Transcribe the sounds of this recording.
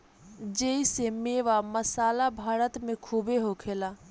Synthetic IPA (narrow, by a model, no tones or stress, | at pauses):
d͡ʒeisemeːʋaməsaːlabʱaːɾət̪mẽkʰuːbeɦokʰeːla